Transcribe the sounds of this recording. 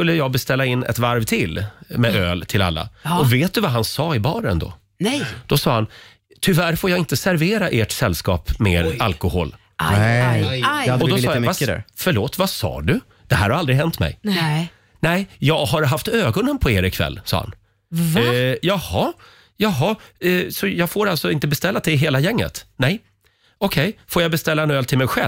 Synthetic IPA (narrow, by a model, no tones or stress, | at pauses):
skɵlːəjɑːɡ̚bɛst̪ɛlːaɪnːɛ̰t̪vaɾvt̪ʰɪlmɛøːlt̪ʰɪla̰lːa̰ɔveːt̪̚d̪ɵvaɦansɑːɪbɑːɾənd̪o̰ː | ɛd̪̥ɔsɑːhan | t̪ʰʏvæɾfoːjɑːɡɪnt̪əsæɾveːɾaʔeːʈsɛlːskɑ̰ːpmeːɾalkʊho̰ːl | ad̪ɔɔsɑːvasfœɭoːt̪vasɑ̰ːɖɵ | d̪̥ɛɦæːɾhaɾald̪ɾɪɦɛnt̪mɛ̰j | nɛɪjɑːɡɦaɾɦaft̪øːɡɔnənpʰɔeːɾɪkʰvɛ̰lːsɑ̰ːha̰n | jɑhɑ | jɑɦɑsɔjɑːɡfoːɾalt̪sɔɪnt̪əbɛst̪ɛlːat̪d̪ɛɪɦeːlajɛŋːə̰t̪nɛj | ɔkʰɛjfoːjabɛst̪ɛlːaɛnøːlt̪ʰɪlmɛjɧɛl